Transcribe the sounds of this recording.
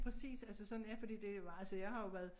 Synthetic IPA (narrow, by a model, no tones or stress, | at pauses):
pʰʁɛsḭːsælsəsɒ̽d̥n̩jæfɒd̥ḭːd̥e̝ʋɑ̈ælsəjɑ̈ɪhɑ̈jo̝ʋæɐðˠ